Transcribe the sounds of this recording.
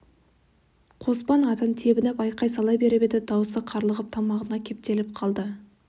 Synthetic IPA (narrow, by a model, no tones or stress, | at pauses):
qʰo̞spɑnɑt̪ənt̪ʰe̞bɪnɪpɑjqɑjsɑlˠɑjbe̞ɾɪbed̪ɪd̪ɑwəsəqʰɑɾlˠəʁəp̚t̪ʰɑmɑʁənɑkʲʰe̞p̚t̪e̞lɪpqʰɑlˠd̪ə